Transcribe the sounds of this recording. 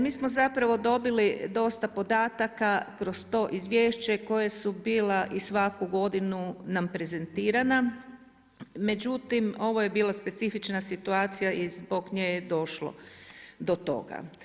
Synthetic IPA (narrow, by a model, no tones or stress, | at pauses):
miːsmo̞zapɾaʋo̞d̪o̞bilid̪o̞st̪apo̞d̪aːt̪akakɾo̞st̪o̞ːʔizʋje̞ːʃt͡ɕeko̞jesubiːleʔisʋakuɡo̞d̪inunampɾe̞ze̞nt̪iːɾana | me̞d͡ʑut̪imo̞ʋo̞je̞biːlˠaspe̞t̪sifit͡ʃnasit̪uaːt̪sijaʔizbo̞ɡɲejed̪o̞ʃlo̰d̪o̞t̪o̞̰ɡa̰